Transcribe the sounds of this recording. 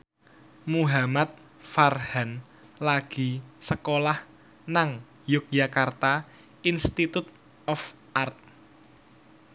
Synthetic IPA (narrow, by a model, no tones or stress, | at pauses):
muɦamat̪̚ | farhan | laɡ̥i̤səkolah | naŋ | jʊk̚d͡ʒakart̪a | inst̪it̪ut̪̚ | ʔɔf | ʔart̪̚